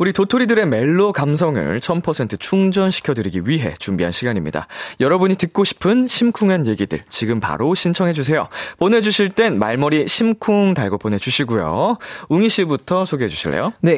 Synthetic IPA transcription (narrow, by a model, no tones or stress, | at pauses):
uɾitotʰoɾidɯɾe̞me̞ɭːokams̬ʰʌŋɯ̰ɭt͡ɕʰʌnpʰʌsʰe̞ntʰɯt͡ɕʰuŋd͡ʑʌnɕʰi̥kʰjʌdɯɾiɡiɥiɦe̞̰t͡ɕumbiɦanɕʰiɡaɲimɲḭda̰jʌɾʌbuɲitɯk̚k͈oɕʰi̥pʰɯnɕʰimkʰuŋanje̞ɡidɯ̰ɭt͡ɕiɡɯmpa̰ɾoɕʰint͡ɕʰʌŋɦe̞d͡ʑus̬ʰe̞jo̰pone̞d͡ʑuɕʰiɭt͈e̞nma̰ɭmʌɾiɕʰimkʰuŋtaɭɡop͈ʰone̞d͡ʑuɕʰiɡujo̰uŋiɕʰibutʰʌsʰoɡeɦe̞d͡ʑuɕʰiɭːḛjone̞